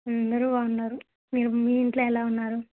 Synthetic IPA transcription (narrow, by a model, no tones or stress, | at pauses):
ɐnd̪ɐɾuʋaːunːaːɾu | miːɾumijiɳʈloːɛlaːunːaːɾu